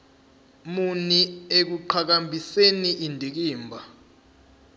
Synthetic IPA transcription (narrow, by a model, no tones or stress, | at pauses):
muniek̬uǃʰak̬ambʱiseniʔindʱik̬iːmbʱa